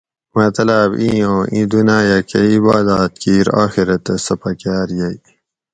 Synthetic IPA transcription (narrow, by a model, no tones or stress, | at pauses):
mɐt̪ɐlaːbĩːõːʔĩːd̪unaːjakɐibaːd̪aːt̪̚kiːɾa̰ːxiɾɐt̪ɐsɐpɐkaːɾjɐi